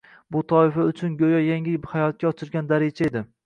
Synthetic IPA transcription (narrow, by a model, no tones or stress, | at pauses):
bʊt̪ʰɒɪfaʊt͡ʃʰʊnɡʲojɒjaŋʲɪhajɒt̪̚kʲaɒt͡ʃʰɪɾɡʲand̪aɾed͡ʒaed̪ɪ